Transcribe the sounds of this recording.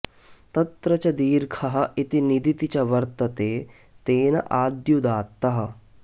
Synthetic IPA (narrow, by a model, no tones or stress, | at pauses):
t̪ɐt̪ɾɐt͡ʃɐd̪iːɾkʰɐɦɐ̆it̪inid̪it̪it͡ʃɐʋɐɾt̪ɐt̪eː | t̪eːnɐʔaːd̪jud̪aːt̪ːɐɦɐ̆